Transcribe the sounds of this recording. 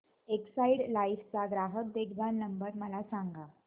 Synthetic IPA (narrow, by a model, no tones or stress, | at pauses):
eksaiɽlaift͡saɡɾaɦət̪̚d̪ekʰbʱannəmbəɾməlasaŋɡa